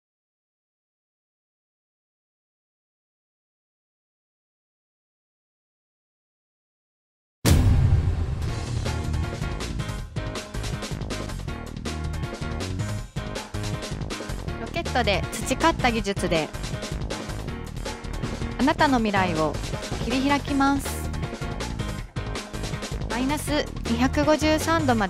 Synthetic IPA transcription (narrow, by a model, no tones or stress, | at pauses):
ɾo̞ke̞t̪ːo̞d̪e̞t͡sɨ̥t͡ɕikat̪ːaɡʲiʑɨt͡sɨd̪e̞ | anat̪ano̞mʲiɾaio̞kʲiɾʲiçiɾakʲimasɨ̥ | mainasɨ | ɲʲiçakɯ̟ɡo̞ʑɨːsãnd̪o̞mad̪